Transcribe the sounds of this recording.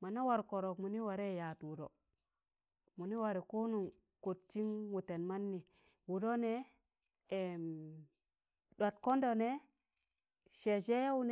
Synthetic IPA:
ma˨na˦wa˨ɾko˨ɾo˨kmu˨ni˦wa˨ɾe˦˨ja˨twu˨do̰˨ | mu˨ni˦wa˨ɾi˨ko˦nu˨ŋ | ko˨tt͡ʃi˦ŋwu˨te˨nma˦nːi˨ | wu˨do˦ne˦ | e˨m | do˨tko˦ndo˨ne˦ | ʃe˨ʃe˦ja˦wu˦n˦

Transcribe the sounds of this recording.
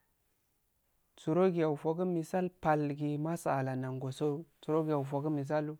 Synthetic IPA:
t͡su˨ɾo˦ɡi˨ja˨u˨fo˨ku˦mi˨sa˦lpa˨lɡi˨ma˦sa˨a˨la˨na˨ŋɡo˨so˦t͡su˨ɾo˦ɡi˨ja˨fo˨ku˦mi˨s̬a˦lu˦

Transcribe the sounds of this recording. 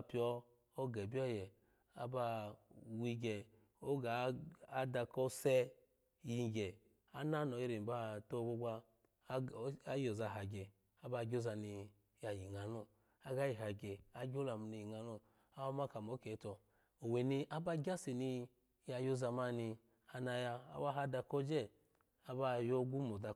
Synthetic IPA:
a˧pi˨˦ɔ˧ | o˦ɡɛ˨bi˦ɔ˦jɛ˨ | a̰˦ba˧wi˧ɡɛ˨ | o˦ɡa˨a˦da˧kɔ˦sɛ˦ | ji˨˧˨ɡɛ˨ | a˦na˦nɔ˨i˦ɾi˨m˨ba˦to˦˨˦bo˦ɡʷa˧˦ | a˦jo˨za˨ɦa˨ɡɛ˨ | a˦ba˧˨ɡʲo˦za˧ni˧ | ja˨ji˨ŋa˨nɔ˦˨ | a˦ɡa˦ji˨ɦa˨ɡɛ˨a˦ɡʲo˦la˨mu˨ni˨ji˨ŋa˨nɔ˦˨ | a˦wa˦ma˦˨ka˨mɔ˨˦kɛ˨˦tɔ˧ | o˨we˨ni˧ʔa˦ba˦˧ɡʲa˦si˨ni˧ | ja˧jo˦za˧ma˧ni˧ | a˧na˧ja˧a̰˨˦ba˦ɦa˦da˧kɔ˦d͡ʒɛ˦˨ | a˨ba˦jɔ˦ɡʷu˦mɔ˨da˧

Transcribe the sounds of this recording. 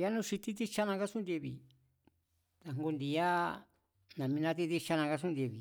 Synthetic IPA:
ja˦nũ˦˧ʂi˧t̪i˦˧t̪i˦t͡ʃa˦nã˧ka˦sũ˦nd̪e˧βḭ˨ | t̪a˨ŋɡo˧nd̪i˧a˦ | nã˨mĩ˧nã˧t̪̬i˧t̪i˧t͡ʃa˧nã˧ka˧s̬ũ˦nd̪ʲe˧˨βi˨

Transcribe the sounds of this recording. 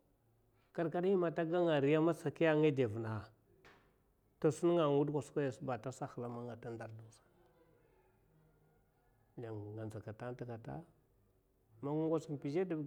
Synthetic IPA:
ka˨ɾka˦ɗi˦ma˨ta˦ɡa˦ŋa˨ɾi˨ja˦ma˦sa˨ki˦a˦ŋe˦de˨vna˨ | to˨su˦n˦ŋa˨ŋu˦dkʷa˨ska˦ja˨sba˨ta˦sa˦xla˦ma˦ŋa˨ta˦nda˨ɾdu˨sḁ˨ | ja˨ŋ˨ɡa˨nza˨ka˨ta˦n˦ta˨ka˨ta̰˦ | ma˨ŋu˦ŋɡʷa˦si˨m˨pi˨d͡ʒe˦du˨

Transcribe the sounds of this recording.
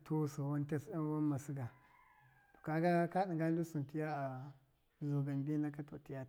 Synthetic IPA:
tʰo˦sa˨wa˦nta˦sa˦n˦wa˦n˦ma˨si˦ɡa˨ | to̥˨ka˨ɡa˦ka˦ɗi˨ɡa˦n˦du˦su˨nti˦ja˦a˨ | zo˨ɡa˨nbi˦na˦ka˦to˨ti˦ja˦˨

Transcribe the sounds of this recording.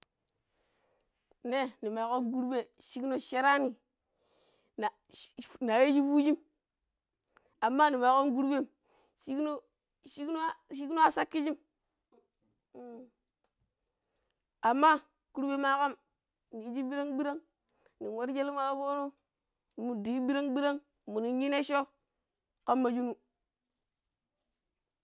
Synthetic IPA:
ne˦ni˨ma˨ko˦nɡu˦ɾbe˨ʃi˦kno˦ʃe˦ɾa˦ni˨ | na˨ | na˨je˦d͡ʒi˦fu˦d͡ʒi˦m | a˨mːa˦ni˨ma˨ko˦nɡu˦ɾbe˦˨m | ʃi˦kno˦ | ʃi˦kno˦ʃi˦kno˦a˦sa˦kːi˦d͡ʒi˦m˦˨ | a˨mːa˦ | ku˦ɾbe˦ma˦ka˦m | ni˨˦d͡ʒi˦bi˦ɾa˦ŋbi˦ɾa˦ŋ | ni˨wa˦ɾd͡ʒe˦li˦ma˦bo˦no˦ | ni˨mu˨di˨i˦bi˦ɾa˦ŋbi˦ɾa˦ŋ | mu˨ni˨ji˦ne˦ʃo˦ | ka˦mːa˨d͡ʒi˦nu˦

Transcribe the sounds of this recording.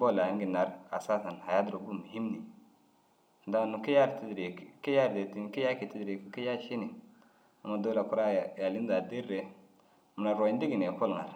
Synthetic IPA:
bo˦˨la˨˦ŋ˦ɡi˨na˨ɾa̰˨sa˦ta˨n˨ha˨ja˦dɾo˨ɡu˦˨mu˨hi˦mni˨˦ | da˦˨nu˨ki˦ja˦˨ɾti˦dɾe˨ke˦ja˦ɾde˨ti˨n˨ki˦ja˦ki˨ti˦dɾe˨kki˦ja˦ʃi˦ni˨ | a˨ma˨do˦la˨ku˦ɾa˦˨ja˨li˦n˦da˨di˦ɾːe˨ | m˨na˨ɾo˨i˦n˦di˦ɡi˨ne˨ko˦lŋa̰˨ɾ

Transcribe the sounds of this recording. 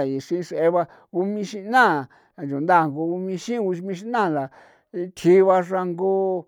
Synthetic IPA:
a˨i˨ʂĩ˦˧ʂe˦βa˧ | u˧˦mĩ˧ʃĩ˧nã˦˨ | d͡ʒu˨nd̪a˦˨ŋɡo˧u˧mĩ˧ʃĩ˦u˧ʃmĩ˧ʃ̬i˦nã˦˨la˨˧ | t̪ʰi˦˧βa˧ʐa˧ŋɡo˦

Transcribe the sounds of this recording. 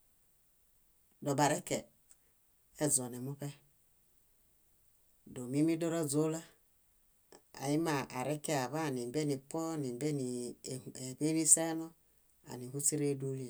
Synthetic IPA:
do˨ba˨ɾe˦ke˨˦ | zo˨ne˨mu˦pe˦ | do˨mi˦mi˦do˦ɾo˦zo˦la˦ | a̰˨ji˦ma˨ʔa˨ɾe˦ke˦a˨βa˦˨ni˨be˦ni˨po˦˨ni˨be˦ni˨e˨be˦ni˦se˦no˦ | a̰˨ni˨hu˦si˦ɾe˦du˦li˦e˨

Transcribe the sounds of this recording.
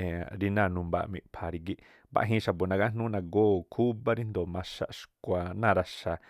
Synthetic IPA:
e˨ɾi˧nã˦˧˨nũ˧mba̰˧˨ʔmḭ̃˧˨pʰa˨ɾi˧ɡi˧ʔ | ba̰˧ʔɦĩ˧ʃa˨bo˨nã˧ɡa˦nũ˦nã˧ɡoː˦˨kʰu˦ba˦ɾi˦nd̪o˨mã˧ʃa̰˧ʔʃkʷa˨nãː˦˧ɾa˧ʃa˧˨

